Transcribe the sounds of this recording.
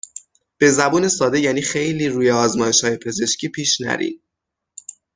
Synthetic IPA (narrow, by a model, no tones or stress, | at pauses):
b̥e̞zæbuːne̞sɒːd̪e̞jæːniːxe̞jliːɾuːjeɒːzmɒːje̞ʃhɒːje̞pʰe̞ze̞ʃcʰiːpʰiːʃnæ̰ɾḭːn